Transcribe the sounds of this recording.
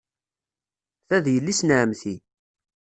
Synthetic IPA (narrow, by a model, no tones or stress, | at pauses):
θæðjəlːisnəʕmθi